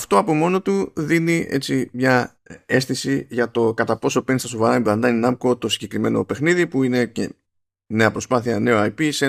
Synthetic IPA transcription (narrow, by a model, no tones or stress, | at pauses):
ɐft̪o̞ɐpo̞mo̞no̞t̪uðinie̞̰t͡simɲɐ | e̞st̪isiʝɐt̪o̞kɐt̪ɐpo̞so̞penist̪ɐsovɐɾɐimblɐnd̪ɐninɐmko̞t̪o̞siɟe̞kɾime̞no̞̰pe̞xniðipuine̞ce | ne̞ɐpɾo̞spɐθiɐne̞o̞ɐjpise